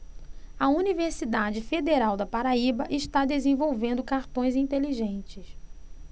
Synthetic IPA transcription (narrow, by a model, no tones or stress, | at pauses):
ɐuniveɾsid̪ad͡ʒɪfed̪eɾawd̪ɐpaɾaibɐʔɪʃt̪ad̪ezẽvowvẽnd̪ʊkaɾt̪õj̃zĩt̪eliʒẽnt͡ʃɪs